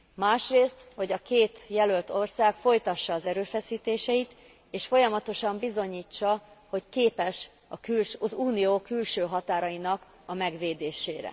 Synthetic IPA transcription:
maːʃreːst̪ho̞ɟɒkeːt̪jɛlølt̪o̞rsaːkfo̞jt̪ɒʃːɒːzɛɾøːfɛsiːt̪eːʃɛit̪ | eːʃfo̞jɒmɒt̪o̞ʃɒmbizo̞ɲiːt͡ʃːɒho̞ckeːpɛʃ | ɒkylzuːnijoːkylʃøːɦɒt̪aːɾɒinɒk | ɒmɛɡʋeːd̪eːʃeːɾɛ̰

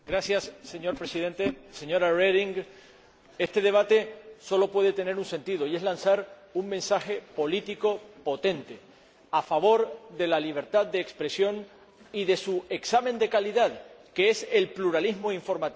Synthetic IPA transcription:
ɡɾasjasːe̞ɲo̞ɾpɾe̞siðe̞nt̪eseɲo̞ɾareðiŋɡ | e̞st̪e̞ð̞e̞β̞at̪e̞so̞lo̞pwe̞ð̞e̞t̪e̞ne̞ɾunse̞nt̪iðo̞ie̞zlansaɾ | uŋmẽ̞nsaxe̞po̞lit̪iko̞po̞t̪ẽ̞nt̪e̞ | afaβ̞o̞ɾðe̞laliβ̞e̞ɾt̪aðd̪e̞ːkspɾe̞sjo̞ŋ | iðe̞sue̞ksamend̪e̞kaliðaðke̞ese̞lpluɾalizmoiɱfo̞ɾmat̪i

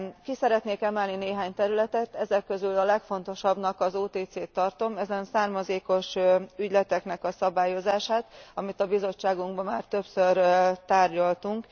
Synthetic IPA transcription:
kisɛɾɛt̪neːkɛmɛlnineːɦaːɲt̪ɛɾylɛt̪ɛt̪ɛzɛkːø̞zylɒlɛkfo̞n̪t̪o̞ʃɒbnɒkɒzoːt̪eːt̪seːt̪ːɒrt̪o̞mɛzɛnsaːrmɒzeːko̞ʃyɟlɛt̪ɛknɛkɒsɒbaːjo̞zaːʃaːt̪ɒmit̪ɒbizo̞t͡ʃːaːɡuŋɡbɒmaːrt̪ø̞psørt̪aːrɟɒlt̪uŋk

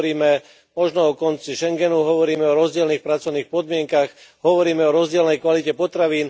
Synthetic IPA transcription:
ɾiːmɛ | mɔʒnɔɔkɔnt͡siʃɛŋɡɛnuɦɔʋɔɾiːmɛɔɾɔzɟɪɛlniːxpɾat͡sɔʊniːxpɔd̪mɪɛŋkaxɦɔʋɔɾiːmɛɔɾɔzɟɪɛlnɛjkʋalicɛpɔt̪ɾaʋiːn

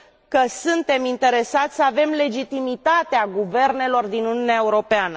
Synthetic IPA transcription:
kəsunt̪e̞mint̪e̞ɾe̞sat̪sʲsəave̞mle̞d͡ʒit̪imit̪at̪eaɡuve̞rne̞lo̞rd̪inunijuneaeuɾo̞peanə

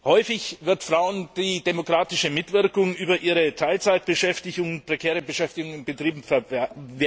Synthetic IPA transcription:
hɔʏfɪçvɪɐtfʁ̥aʊənd̥iːdemokʁ̥aːtɪʃəmɪtv̥ɪɐkʊŋʔyːbɐʔiːʁ̞ətʰaɪlt͡saɪt̚b̥əʃɛftɪçʊŋnpʁ̥ɛkʰɛːʁəbəʃɛftɪɡʊŋɪnbətʁ̥iːbm̩fve

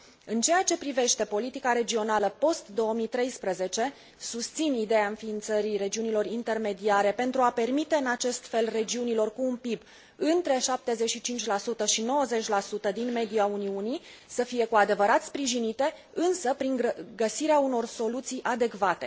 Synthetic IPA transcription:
ɨnt͡ʃe̞jat͡ʃe̞pɾive̞ʃt̪e̞po̞lit̪ikaɾe̞d͡ʒio̞naləpo̞st̪d̪o̞əmit̪ɾe̞jspɾəze̞t͡ʃe̞ | sust̪sinid̪e̞jaɨnfiːnt̪səɾire̞d͡ʒiunilo̞rint̪e̞rme̞d̪iaɾe̞pe̞nt̪ɾuape̞rmit̪e̞ɨnat͡ʃe̞st̪fe̞lre̞d͡ʒiunilo̞rkuːnpib | ɨnt̪ɾe̞ʃap̚t̪e̞ze̞t͡ʃʃit͡ʃint͡ʃʲlasut̪əʃino̞wəze̞t͡ʃʲlasut̪əd̪inme̞d̪iauniunisəfije̞kuad̪e̞vəɾat̪spɾiʒinit̪e̞ | ɨnsəpɾiŋɡəsiɾeauno̞rso̞lut̪sijʔad̪e̞kvat̪e̞

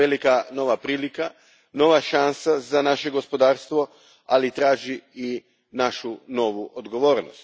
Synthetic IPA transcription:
elikano̞ʋapɾiːlika | no̞ʋaʃansazanaʃe̞ɡo̞spod̪aːɾst̪ʋo̞ | alit̪ɾaːʒiː | naʃuno̞ʋuʔod̪ɡo̞ʋo̞ːɾno̰st̪

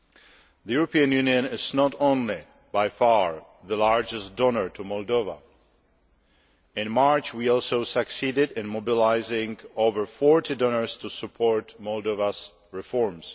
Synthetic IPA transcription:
ðəjuɹopiə̃njuniə̃nɪznɔtõnlɪ | bajfaɹ | ðəlaɹd͡ʒɛstdɔnəɹtʰumɔlˠdova̰ | ɪ̃nmaɹt͡ʃwiɔlˠsosəksiːdɪdɪ̃nmobɪlaɪzɪ̃ŋoʊvəɹfɔɹtɪdɔnəɹstʰusɨpʰɔɹtmɔlˠdovas | ɹɪfɔɹms

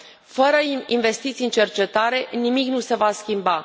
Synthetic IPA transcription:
fəɾəinve̞st̪it̪siɨnt͡ʃe̞rt͡ʃe̞t̪aɾe̞nimiknuse̞vaskʲimba

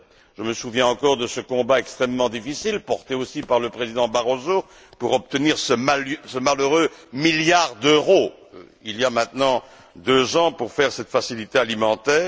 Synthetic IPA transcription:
ʒəməsuvjɛ̃ɑ̃kɔʁd̪əsəkɔ̃baɛkst̪χɛmːɑ̃d̪ifisilpɔʁt̪eosipaʁləpχezid̪ɑ̃baʁozo | puʁɔp̚t̪əniʁsəmalsəmaløʁømiljaʁd̪øʁo | ilijamɛ̃t̪nɑ̃ | d̪øzɑ̃puʁfɛʁsɛt̪fasilit̪ealimɑ̃t̪ɛː

